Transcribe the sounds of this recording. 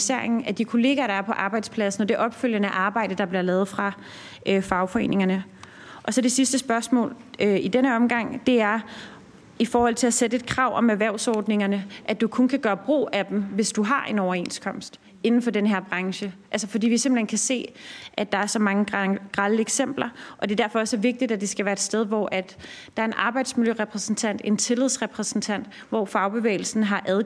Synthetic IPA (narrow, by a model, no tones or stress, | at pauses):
seɐ̰eŋn̩æd̥ikʰo̝le̝ːɡ̥ɐːɾ̥ɑ̈æɐpʰɒ̽ʔɑ̈ːb̥ɑ̈ɪd̥spʰlæsn̩ɒ̽d̥e̝ʔɒ̽b̥føl̰jənəæʔɑ̈ːb̥ɑ̈ɪ̰d̥əd̥ɑ̈b̥liɐlɛːð̩ˠfʁɑ̈ | øfɑ̈ʊfɒ̽e̝̰ːne̝ŋɐnə | ʔɒ̽sɒ̽de̝sisd̥əsb̥ɶɐsmɔ̰̽ːlid̥enəɒ̽mɡ̥ɑ̈ŋ̰d̥e̝æɐ | ifɒːhɒ̽l̰t͡sʰe̝læsedəe̝d̥̚kʰʁɑ̈ʊ̰ʔɒ̽mæʋæɐʊsɒːd̥ne̝ŋɐnəʔæd̥ukʰonkʰæɡ̥ɶːɐb̥ʁṵːæd̥emʋe̝sd̥uɦɑ̈ʔe̝nɒʊɐe̝nskʰɒ̽m̰sd̥ | e̝nn̩fɒ̽denəɦeɐ̰b̥ʁɑ̈ŋɕəʔælsɐfɒ̽d̥ḭːʋise̝mb̥l̩henkʰæse̝̰ːʔæd̥ɑ̈æɐsɒ̽mɑ̈ŋə̥ɡ̥ʁɑ̈ləeɡ̥sem̰b̥lɐʔɒ̽d̥e̝d̥æɐfɒ̽ɒsæɐʋe̝ɡ̥̚d̥id̥æd̥e̝sɡ̥æʋæːɐe̝d̥sd̥eðˠʋɒ̰ʔæd̥ | ɑ̈æɐe̝nʔɑ̈ːb̥ɑ̈ɪ̰d̥smiljøʁɛpʰʁɛsn̩t͡sʰæn̰d̥e̝nt͡sʰe̝leð̞̰ˠsʁɛpʰʁɛsn̩t͡sʰæn̰d̥ | ʋɒ̰fɑ̈ʊb̥e̝ʋḛːɪl̩sn̩ɦɑ̈ʔæðˠ